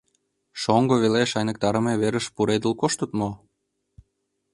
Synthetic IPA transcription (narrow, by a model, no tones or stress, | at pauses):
ʃoŋɡoβeleʃɑjnə̆k̚t̪ɑɾə̆meβeɾəʃpuɾed̪əlkoʃt̪ət̪mo